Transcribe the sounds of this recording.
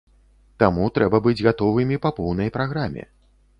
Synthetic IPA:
t̪amut̪ɾɛbɐbɨd͡zʲɣat̪ɔvɨmʲipɐpɔwn̪ɐjpɾaɣɾamʲɛ̰

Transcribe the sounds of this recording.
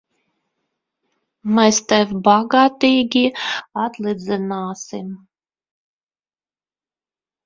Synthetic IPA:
mɛst̪ɛvʲbaɡaːt̪iːɡʲiat̪lˠid̪zɨnaːsim

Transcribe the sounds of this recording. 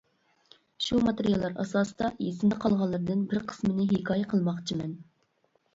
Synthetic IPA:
ʃumɑt̪eɾijɑlˠːɑɾɑ̰sɑːsɨd̪ɑjesɪnd̪ɛqʰɑlˠʁɑlˠːɨɾɨd̪ɨnbɪɾqʰə̥smɨnɪɦɪkʰɑːjɛqʰəlˠmɑχt͡ʃʰimɛn

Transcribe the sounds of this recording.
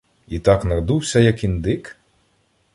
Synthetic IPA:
it̪ɑknɐɾd̪uwsʲɐjɐkind̪ɪk

